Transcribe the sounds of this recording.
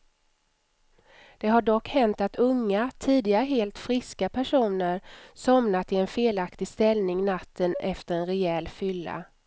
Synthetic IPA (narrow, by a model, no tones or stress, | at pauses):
d̪̥ɛɦaɖɔkːhɛnt̪at̪ɵŋːat̪ʰiːd̪ɪɡaɾəɦeːlt̪fɾɪskapʰæʂuːnəɾsɔmnat̪ɪɛnfeːlakt̪ɪɡst̪ɛlnɪŋnat̪ʰːənɛft̪əɾɛnɾɛɛlːfʏlːa̰